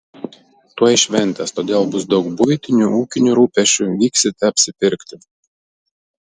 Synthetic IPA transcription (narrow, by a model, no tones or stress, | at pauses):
t̪uɔjɪʃʲʋʲɛnʲt̪ʲɐst̪oːd̪ʲeːlˠbʊs̬d̪ɒʊkbʊjt̪ʲɪnʲuuːkʲɪnʲuɾuːpʲɛʃʲt͡ʃʲuʋʲiːksʲɪt̪ʲɛɐpʲsʲɪpʲɪɾʲkt̪ʲɪ